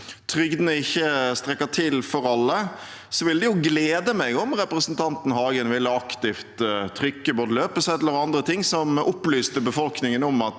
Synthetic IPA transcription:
t̪ʰɾʏɡd̪nəɪçːəst̪ɾɛkːət̪ʰɪlfɔɾɑlːə | sɔʋɪld̪ɪjʊɡleːd̪əmɛɡɔmɾɛpɾəsənt̪ʰɑnt̪n̩ɦɑːɡənʋɪlːəɑkt̪ɪft̪t̪ʰːɾʏkːəboːd̪əløːpəsəɛləɾɑnd̪ɾət̪ʰɪŋsɔmʔʊplyːst̪əbəfɔlknɪŋənɔmɑt̪

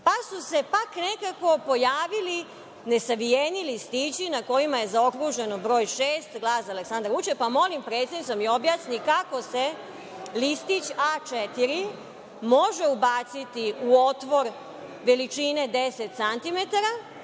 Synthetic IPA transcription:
pasuse̞pakne̞kako̞po̞jaːʋili | ne̞saʋijenilist̪iːt͡ɕinako̞jimaje̞zao̞kɾuʒe̞nobɾo̞ːjʃeːst̪ɡlaːsaleksand̪ɾʋut͡ʃepamo̞limpɾe̞t̪sʲjed̪nit̪omio̞bjaːsnikako̞se̞ | list̪it͡ɕaːt͡ʃet̪iɾi | mo̞ʒe̞ubat̪sit̪iuo̞t̪ʋo̞ɾ | ʋe̞lit͡ʃine̞d̪eset̪sant̪ime̞t̪aɾa

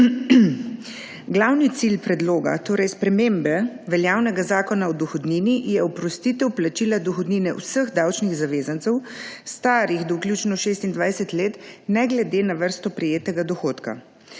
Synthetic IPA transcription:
ɡlawnit̪silpɾɛd̪loːɡa̰t̪oːɾʔɛjspɾɛmembɛʋɛljaːwnɛɡazaːkɔnaɔd̪ɔxɔd̪ninijɛɔpɾɔst̪it̪ɛwplat͡ʃilad̪ɔxɔd̪niːnɛṵsəɣd̪awt͡ʃniɣzaʋeːzant̪sɛw | st̪aːɾixd̪ɔwklʲjuːt͡ʃnɔʃeːst̪ind̪ʋajsɛt̪leːt̪nɛɡlɛd̪enaʋəɾst̪ɔpɾɛjeːt̪ɛɡad̪ɔxoːt̪ka̰

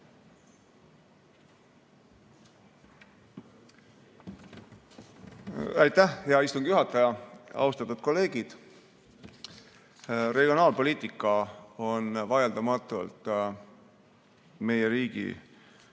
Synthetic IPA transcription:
æjt̪æhjɑist̪uŋɡ̥ijuɦɑt̪ːˑɑjɑɑ̰ust̪ɑt̪ːˑud̪̥̚ko̞lːe̞ːɡ̥id̪̥ | re̞ɡ̥io̞nɑːlpo̞lʲiːt̪ːˑikːˑɑo̞nvɑjeld̪ɑmɑt̪ːˑṵlt̪ | me̞jeɾiːɡ̥ḭ

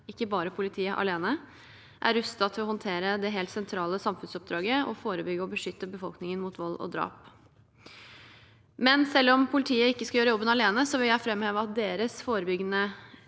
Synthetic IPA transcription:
ɪkːəbɑːɾəpʰʊlɪt̪ʰiːəʔɑ̰leːnə | ʔæɾʉst̪ɑt̪ʰɪlɔhɔnt̪ʰeːɾəd̪ɛɦeːlt̪sɛnt̪ʰɾɑːləsɑmfʉnsɔp̚d̪ɾɑːɡəɔ̰foːɾəbʏɡəɔbəʂʏt̪ːəbəfɔlknɪŋənmut̪ʋɔlːɔ̰d̪ɾɑ̰ːp | mɛnsɛlːɔmpʰʊlɪt̪ʰiːəɪkːəskɑjøːɾəjɔbːənɑleːnəsɔʋɪljæɪfɾɛmːheːʋəɑt̪̚d̪eːɾəsfoːɾəbʏɡənə

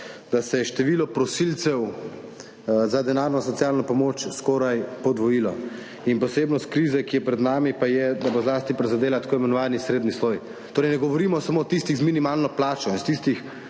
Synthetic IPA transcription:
d̪asɛjɛʃt̪ɛʋiːlɔpɾɔsilt̪sɛw | zad̪ɛnaːɾnɔsɔtsijalnɔpɔmoːt͡ʃskoːɾajpɔd̪ʋɔjiːlɔ | inpɔseːbnɔst̪kɾiːzɛkijɛpɾɛd̪naːmipajɛd̪abozlaːst̪ipɾɛzad̪eːlat̪ḁkoːimɛnɔʋaːnisɾeːd̪nisloːj | t̪oːɾɛjnɛɡɔʋɔɾiːmɔsamoːt̪ist̪iɣzminimaːlnɔplaːt͡ʃɔinst̪ist̪ix

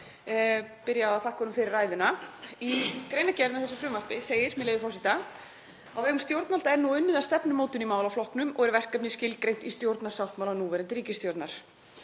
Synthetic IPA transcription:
pɪɾjaaaθahkʰvɔɾʏmfɪɾɪrːaːjðʏnaikɾeːjnacɛɾnaθɛsʏfɾʏmvar̥pɪseːjɪɾmɛðlejvɪfɔwsit̪a | awvɛːɣʏmst̪jowɾt̪nalt̪aɛɾnuʏnːɪðast̪ɛpnʏmoːwt̪ʏnimaːwlawflɔhknʏmɔɣɛɾvɛr̥kapnɪscɪlkɾejn̥t̪ist̪jowɾt̪nḁsawht̪mawlanuvɛɾɪnt̪ɪɾiːcɪst̪jowɾt̪naɾ̥

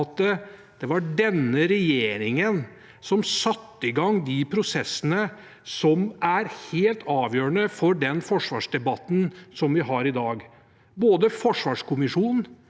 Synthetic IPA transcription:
t̪ə | d̪̥ɛʋɑɖɛnːəɾɛjeːɾɪŋən | sɔmsɑt̪ːəɪɡɑŋːd̪ɪpʰɾʊsɛsːənə | sɔmʔæɾheːlt̪ʰɑːʋjøːɾəɳəfɔɖɛnfɔʂʋɑ̰ːʂd̪ɛbɑt̪ːn̩sɔmʋɪɦɑɾɪd̪ɑːɡ | boːd̪əfɔʂʋɑːʂkʊmɪʂuːnn̩

